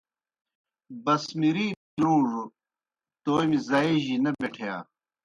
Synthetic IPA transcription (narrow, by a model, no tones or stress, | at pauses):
bɐsmiɾiː | lũːʐu | t̪oːjmizɐeʑinɐbeʈʰeja̰ː